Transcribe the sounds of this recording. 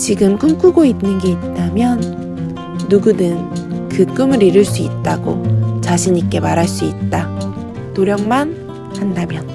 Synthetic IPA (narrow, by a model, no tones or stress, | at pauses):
t͡ɕiɡɯmk͈ɯmk͈ʰuɡoinnːɯnɡe̞it̚t͈amjʌnː | uɡudɯnkɯk͈ɯmɯɾiɾɯɭs͈uit̚t͈aɡot͡ɕaɕʰiɲik͈e̞maɾɦaɭs͈uit̚t͈a | toɾjʌŋman | handamjʌn